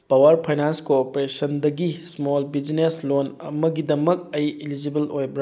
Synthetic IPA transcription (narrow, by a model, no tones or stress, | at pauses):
pɐwɐɾpʰajnanskopɾesɐndɐɡismolbid͡ʒineslonɐ̰mɐɡidɐmɐk̚ɐjilid͡ʒibɐlojbɾa